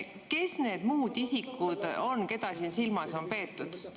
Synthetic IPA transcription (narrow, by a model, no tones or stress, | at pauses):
ke̞sne̞ːd̪̥muːd̪isikːud̪̥o̞nke̞d̪̥ɑsiːnsilmɑso̞npe̞ːt̪ːˑud̪̥